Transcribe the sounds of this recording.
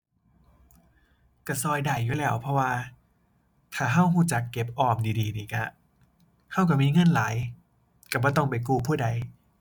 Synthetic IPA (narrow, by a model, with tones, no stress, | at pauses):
ka˧˩sɔː˧jdaː˨˩jːuː˨˩lɛː˦˧˩wpʰɔ˧˥waː˧ | t̪ʰaː˨˩ɦa˥˩wɦuː˧˩t͡ɕa˨˩˦kːe˨˩p̚ʔɔː˧˩m̚diː˧diː˧niː˧˩ka˧˩ | hʰa˧˥˩wk̬a˧˩miː˧˥˧ŋɤ˧˥˨nlaː˨˦j | ka˧˩bɔː˧˩t̪ɔ˥˩ŋpa˧˨jk̬uː˧˩pʰuː˥˩da˧˩j